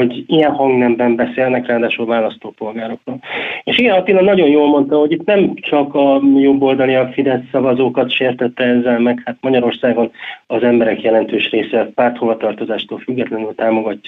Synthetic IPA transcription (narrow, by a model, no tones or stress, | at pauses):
o̞ɟijɛnhɒŋɡnɛmbɛmbɛseːlnɛkraːd̪aːʃulvaːlɒst̪oːpo̞lɡaːɾo̞kroːleʃiɡɛnɒt̪iːlɒnːɒɟo̞njoːlmo̞nt̪ɒho̞ɟit̪nɛmt͡ʃɒkɒjo̞bːo̞ld̪ɒliɒfid̪ɛsːɒvɒzoːkɒt̪ʃeːrt̪ɛt̪ːɛɛzːɛlmɛkhat̪mɒɟɒɾo̞rsaːɡo̞nɒzɛmbɛɾɛkjɛlɛnt̪øːʃreːsɛtpaːrt̪ho̞vɒt̪ɒrt̪o̞zaːʃt̪oːlfyɡːɛt̪lɛnylt̪aːmo̞ɡɒcː